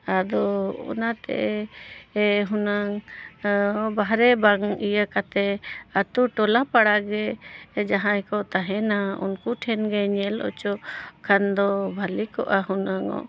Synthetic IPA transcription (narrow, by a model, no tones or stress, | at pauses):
ad̪ɔɔ̰nat̪ɛ̰ʔɛ | ɦunaŋ | baɦɾɛbaŋijakat̪ɛat̪uʈɔlapaɽaɡɛd͡ʒaɦãɛkɔʔt̪aɦɛnaṵnkuʈʰɛnɡɛɲɛlɔ̰t͡ʃɔkʰand̪ɔbʱalikɔʔaɦunaŋɔ̰ʔ